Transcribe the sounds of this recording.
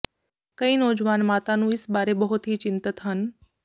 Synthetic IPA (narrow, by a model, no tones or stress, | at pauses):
kɐiːnɔːd͡ʒʋaːnmaːt̪anũɪsbaːɾebəɦʊt̪ɦit͡ʃɪnt̪ɪt̪ɦən